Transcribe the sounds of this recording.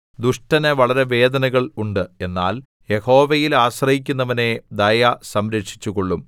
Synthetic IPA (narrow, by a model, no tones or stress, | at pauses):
d̪uʂʈɐnɐʋɐɭɐɾe̞ʋe̞ːd̪ɐnɐɣɐɭuɳɖɨe̞nːa̰ːl | je̞ho̞ːʋɐjilaːɕrɐhik̬ʲːunːɐʋɐne̞d̪ɐjɐsɐmɾekʂi̥t͡ɕːuɣo̞ɭːum